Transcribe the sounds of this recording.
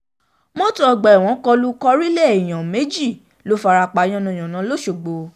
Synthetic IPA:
mɔ̃˦tɔ˦ɔ˧ɡ͡bɛ˨w̃ɔ̃˨˦kɔ˧lu˦kɔ˧ɾi˦lɛ˦˨i˨j̃ã˨me˨˦d͡ʒi˦˨ | lo˨˦fa˧ɾa˧k͡pa˨˧j̃ɔ̃˧nũ˧˨ã˨nã˨˦lo˦ʃo˨ɡ͡bo˧

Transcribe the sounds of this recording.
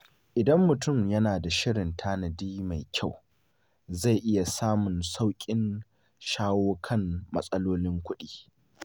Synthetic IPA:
ʔɪ˨dɐ˦mːʊ˨tʊ˦˨mjɐ˦naː˨da˨ʃɪ˦ɽɪ˨ntʰaː˦nɐ˨diː˦ma˨jkʲʰa˦˨w | za˦˨jʔɪ˦ja˨saː˦mʊ˨nsa˦wkʲʼɪ˦n | ʃaː˦woː˦kʰɐ˦˨mmɐ̰˦sʼɐ˦loː˦lɪ˦ŋkʷʊ˦ɗiː˦

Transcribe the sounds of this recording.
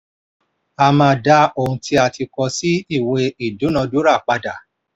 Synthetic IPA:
a˧˨mã˧˨da˦o˦˨hũ˧tʰi˧˦a˧˨ti˧kɔ˧si˦i˦˨we˧i˨du˨˦nã˧du˦ɾa˦˨k͡pa˧da˨

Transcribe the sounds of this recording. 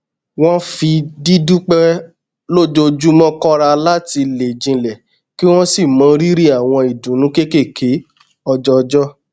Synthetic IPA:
w̃ɔ̃˦fi˧di˦du˦k͡pɛ˦ | lo˦d͡ʒo˧d͡ʒu˦mɔ̃˦kɔ˦ɾa˧la˦ti˧le˨d͡ʒĩ˧lɛ˨ | ki˦w̃ɔ̃˦si˦˨mã˨˦ɾi˦ɾi˦a˦˨w̃ɔ̃˧i˨dũ˨˦nũ˨˦ke˦ke˦˨kʰe˨˦ | ɔ˧d͡ʒɔ˦˧d͡ʒɔ˦

